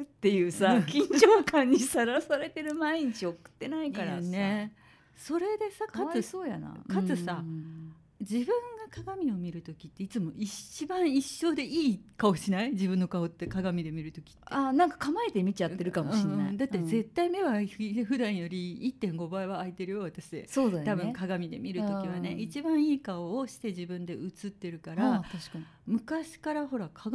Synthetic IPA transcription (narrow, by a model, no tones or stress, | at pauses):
t̪ːe̞jɯːsakʲĩɲd͡ʑoːkãɲ̟ːisaɾasaɾe̞t̪e̞ɾɯ̟maiɲit͡ɕiokɯ̥t̪ːe̞naikaɾa̰ne | so̞ɾe̞d̪e̞sakaɨsoːja̰na̰kat͡sɨsa | d͡ʑibɯ̟̃ŋɡakaɡamʲio̞mʲiɾɯ̟t̪o̞kʲi̥t̪ːe̞it͡sɨmo̞ʔit͡ɕibãɰ̃iɕːo̞ːd̪e̞ʔiːkao̞ɕinaid͡ʑibɯ̟̃nːo̞kaot̪ːekaɡamʲid̪e̞mʲiɾɯ̟t̪o̞kʲi̥t̪t̪ːeanãŋkḁkamaet̪e̞mʲit͡ɕat̪ːeɾɯ̟kamoɯɕĩd̪at̪ːe̞ze̞t̪ːaime̞βaɸɯ̟d̪ãɰ̃jo̞ɾʲiːt̪ːẽ̞ŋɡo̞baiβaːit̪e̞ɾɯ̟jo̞βat̪aɕid̪ḛsoːd̪at̪abɯ̟̃ŋkaɡamʲid̪e̞̰mʲiɾɯt̪o̞kiβ̞ane̞it͡ɕibãɰ̃iːkaoːɕi̥t̪e̞ʑibɯ̟̃nd̪e̞ʔɯt͡sɨt̪ːe̞ɾɯ̟kaɾaaɕkaɲ | mɯ̟kaɕi̥kaɾaɦo̞ɾakʰaɡ